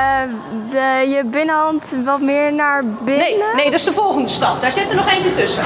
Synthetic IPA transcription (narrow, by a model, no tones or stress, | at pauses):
dəjəbɪnəɦɑntʋɔtmɪːəɹnaɹbɪnnənejdɔɪsdəvɔlˠɣəndəstɑp̚d̥aːɹzɪtənɔχevətɵsə